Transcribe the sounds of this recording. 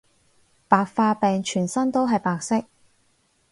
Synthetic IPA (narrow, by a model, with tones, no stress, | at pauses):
paː˨˧k̚faː˧pɛː˨ŋt͡ʃʰyː˨˩nsɐ˥nt̪o˥wɦɐ˨jpaː˨k̚sɪ˥k̚